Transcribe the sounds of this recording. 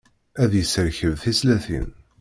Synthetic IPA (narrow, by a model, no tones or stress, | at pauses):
æðjəsəɾçəvθislæθḭn